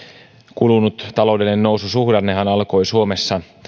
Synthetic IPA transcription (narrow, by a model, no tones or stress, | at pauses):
kulunut̪t̪ɑlo̞wdelinenːowsusuhdɑnːeɦænɑlko̞jsuome̞sːɑ